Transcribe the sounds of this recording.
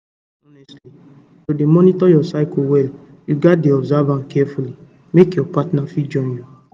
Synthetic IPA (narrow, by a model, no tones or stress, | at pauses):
ɔnɛstli | todemɔnitɔjɔsaɪkowɛl | juɡat̚deɔbzavãnkʰɛfuli | mekjɔpatnafid͡ʒɔ̃nju